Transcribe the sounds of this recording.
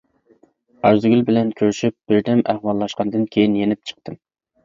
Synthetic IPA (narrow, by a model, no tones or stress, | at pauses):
ɑɾzɨɡʲylbɪlɛnkʲʰøɾyʃyp̚b̥ɪɾd̪ɛmʔæhwɑlˠːɑʃqɑnd̪ɨnkʲʰejinjenɪp̚t͡ʃʰə̥q̚t̪ʰɨm